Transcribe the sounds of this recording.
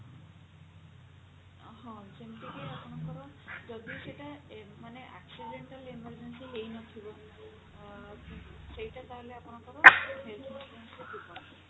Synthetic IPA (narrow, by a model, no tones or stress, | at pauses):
ɦɔ̃d͡ʒemʈikeapɔñakɔɾɔ | d͡ʒɔd̪iseʈamaneʔa̰ksiɖeɳʈalimaɾd͡ʒensiɦejnɔt̪ʰibɔ | sejʈat̪aɦoleapɔñakɔɾɔɦelt̪ʰɔnspensɾeb̪ipaɾ